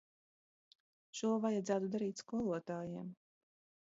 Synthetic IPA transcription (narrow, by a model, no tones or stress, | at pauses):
ʃuɔvajad̪zæːt̪ud̪aɾiːt̪ʲskuɔlˠuɔt̪aːjiɛm